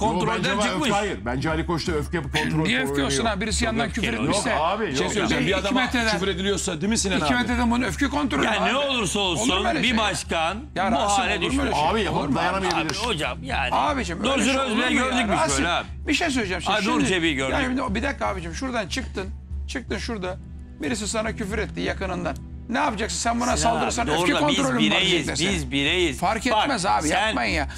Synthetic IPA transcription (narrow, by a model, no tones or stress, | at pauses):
kont̪ɾold̪ad͡ʒajɯɾbænd͡ʒɛalʲikʰoʃt̪uøfkʲcyjapɯkʰonʰɾonijɛøfcyjoksunabiɾisijanancʰyfɾet̪jioʃk̪ɛaːbijʃoejsøbiad̪aimt̪ʰed̪æyfɾed̪ilʲijoɾsad̪imisininʰimeed̪ænbunøfcyko̞nt̪ɾolneolˠuɾsaolˠuneɾbibaʃkanjaɾbuhsaːlʲɛd̪yeɾeaːbijapad̪ajanamijailʲiɾod͡ʒamjaːaːbed͡ʒimøozyɾøzbilæøɾd̪ybiaølɛ | biʃejs̬øjʲed͡ʒæmʃʃd̪oɾd͡ʒebiɟøɾaʃimd̪bid̪ɛkːaːbed͡ʒɛmʃuɾd̪ant͡ʃʰɯk̚t̪ʰɯn | t͡ʃʰɯk̚t̪ʰɯnʃuɾd̪a | biɾis̬isanacʰyfyɾɛt̪ːijakɯnɯnd̪anː | ɛapad͡ʒaksɯnsænbanasalˠd̪ɯɾɯɾsanøykʰonɾolʲyimad͡ʒɛlʲesizbiɾejizfaɾkɛt̪mɛzaːbijapmajɯnja